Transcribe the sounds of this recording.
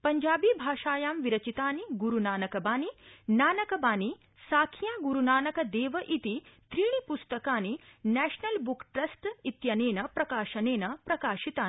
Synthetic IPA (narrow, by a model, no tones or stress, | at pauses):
pɐɲd͡ʒaːbiːbʱaːʃaːjaːmʋiɾɐt͡ʃit̪aːniɡuɾunaːnɐkɐbaːninaːnɐkɐbaːni | saːkʰjaːɡuɾunaːnɐkɐd̪eːʋɐʔit̪it̪ɾiːɳ̃ipust̪ɐkaːninɛːʃnɐlbukʈɾɐsʈit̪jɐneːnɐpɾɐkaːʃɐneːnɐpɾɐkaːʃit̪aːi